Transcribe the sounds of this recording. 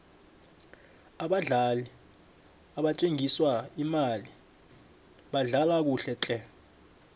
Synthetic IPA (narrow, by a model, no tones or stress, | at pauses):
aɓaɮali | aɓat͡ʃʼeŋʱiswaimali | ɓaɮalak̬uɬɛt͡ɬʼɛ